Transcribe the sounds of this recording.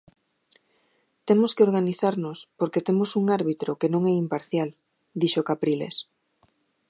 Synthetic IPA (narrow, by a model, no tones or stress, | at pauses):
t̪emoskeoɾɣaniθaɾnospoɾket̪emosuŋaɾβit̪ɾokenõŋɛimpaɾθjal | d̪iʃokapɾilḛs